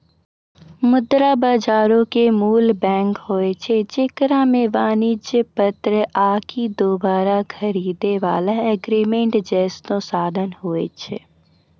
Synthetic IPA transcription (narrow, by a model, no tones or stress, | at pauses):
mʊd̪ɾabaːd͡ʒaːɾõkemuːlbɛ̃ːŋkɦoːet͡ʃʰet͡ʃɪkɾamẽʋaːnɪd͡ʒjəpət̪ɾəʔaːkʰid̪oːbaːɾakʰɐɾiːd̪eʋaːlaɛɡɾiːmẽɳʈd͡ʒɛːsnõsaːd̪ʱənɦoːet͡ʃʰḛ